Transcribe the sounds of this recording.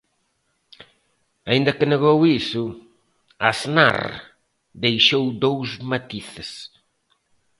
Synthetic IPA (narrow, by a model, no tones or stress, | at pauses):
aĩnd̪ɐkɪneɣowisʊ | asna̰ɾ | d̪ejʃowd̪owzmat̪iθɪs